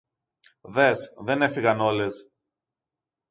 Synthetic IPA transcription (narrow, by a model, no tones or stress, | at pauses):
ðe̞sðe̞ne̞fiɣɐno̞le̞s